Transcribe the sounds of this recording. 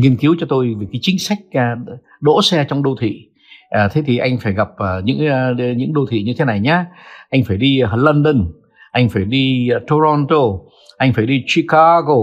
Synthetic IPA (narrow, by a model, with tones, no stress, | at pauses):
ŋi˧ənki˨˦əwt͡ɕɔ˧t̪o˧jveː˨˩kaː˨˦jt͡ɕï˨˦ŋ̟sa˦˥jk̟̚ː | ɗo̰˧˥sɛ˧t͡ɕɔ˧wŋ͡mɗo˧t̪ʰḭ˧˨ | ʔːt̪ʰe˨˦t̪ʰi˨˩ʔa˧jŋ̟faː˧˩jɣa˨˩p̚əː˨˩ɲɨ̰˧˥ŋ˧ɲɨ̰˧˥ŋɗo˧t̪ʰḭ˧˨ɲɨ˧t̪ʰe˨˦na˨˩jɲaː˨˦ʔa˧jŋ̟faː˧˩jɗi˧lə˧nɗə˧n | ʔa˧jŋ̟faː˧˩jɗi˧t̪o˧ɾɔ˧nt̪o˧ | ʔa˧jŋ̟faː˧˩jɗi˧t͡ɕi˧ka˧ɣo˧˩